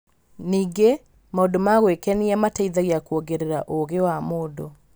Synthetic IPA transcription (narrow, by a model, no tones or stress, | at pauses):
niːɡe | maodomaɣwekɛniamataiðaɣjakuoɡeɾeɾaʔoɣewamoːdo